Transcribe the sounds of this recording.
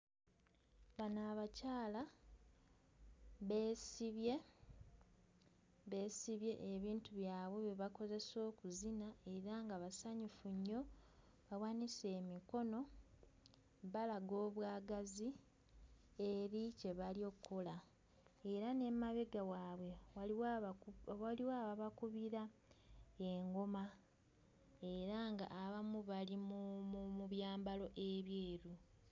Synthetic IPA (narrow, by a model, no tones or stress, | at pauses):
βanaːβacaːla | βe̞ːsiβje̞ | βe̞siβje̞ʔeβiːntuβjaːβwe̞βeβako̞ze̞so̞ːkuzinae̞ɾaŋɡaβasaɲufuɲːo̞ | βawaːnise̞ːmiko̞no̞ | βalaɡo̞ːβwaːɡazi | e̞ɾice̞βalio̞kʰːola | eɾane̞maβeɡawaːβwe̞ | waliwaβaβakuβiɾa | e̞ŋɡo̞ma | e̞ɾaŋɡa̰ʔːβamuβalimumuβjaːmbalo̞ʔe̞βjeːɾu